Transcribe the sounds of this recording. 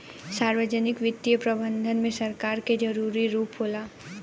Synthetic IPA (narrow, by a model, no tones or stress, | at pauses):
saːɾʋəd͡ʒənɪkʋɪt̪ːijəpɾɐbə̃nd̪ʱənmẽsɐɾkaːɾked͡ʒɐɾuːɾiɾuːpɦoːlaː